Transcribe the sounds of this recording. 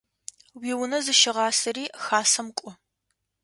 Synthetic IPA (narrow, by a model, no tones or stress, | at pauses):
wiːwʊnɐzɨʃɪʁɑːsɐɾiːxaːsɐmkʷʼɔ